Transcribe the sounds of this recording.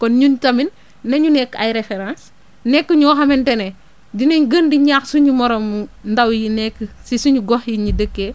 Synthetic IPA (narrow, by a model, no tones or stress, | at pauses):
kɔnɲuntɐminː | ɐɲunɛkːajɾefeɾãːns | nɛkːəɲuxɐmɛntɛnɛ | dineɲɡəndiɲaːxsuɲumɔɾɔmːundɐwjinɛkːəsisuɲuɡɔxjiɲudəkːe